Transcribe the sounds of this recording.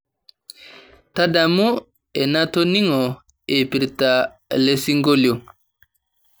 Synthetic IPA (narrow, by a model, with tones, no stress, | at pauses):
ta˦da˨mu˦ | e˨na˦to˦ni˦ŋɔ˨ | e˨pi˨ɾta˨ | le˦si˦ŋɡo˦ljo˨